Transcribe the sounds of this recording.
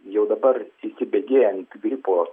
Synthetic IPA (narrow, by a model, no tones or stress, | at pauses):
jɛʊd̪ɐbɐriʃsʲɪbʲeːɡʲeːjɛnt̪ɡɾʲɪpoː